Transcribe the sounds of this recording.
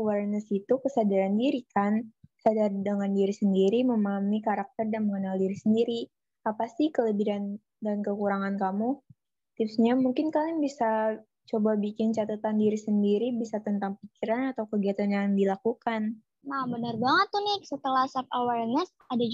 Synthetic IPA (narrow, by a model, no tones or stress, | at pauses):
wɛrnəsit̪ukəsadaɾandiɾikansadardəŋandiɾisəndiɾiməmaɦamikaɾak̚t̪ərdanməŋənaldiɾisəndiɾi | apasɪhkələbiɾan | dankəkuɾaŋankamu | t̪ɪpsɲamuŋkɪnkalɪŋbisa | t͡ʃobabikɪnt͡ʃat̪at̪andiɾisəndiɾibisat̪ənt̪aŋpikiɾanat̪awkəɡiat̪anjaŋdilakukan | nabənərbaŋət̪ːunɪhsət̪əlahsafawɛrnəs | adad͡ʒ